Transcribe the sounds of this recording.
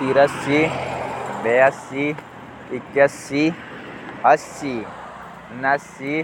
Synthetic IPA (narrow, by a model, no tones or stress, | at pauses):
t̪iɾɐsi | beɐsi | ikjɐsi | ɐsi | nɐsi